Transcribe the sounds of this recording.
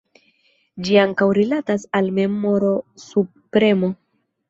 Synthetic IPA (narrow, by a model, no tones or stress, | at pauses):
d͡ʒiaŋkawɾilatasalme̞mo̞ɾo̞su | pɾe̞mo̞